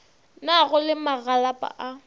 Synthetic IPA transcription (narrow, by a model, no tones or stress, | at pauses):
naɣʊlɪmaɣalapʼa̰ʔa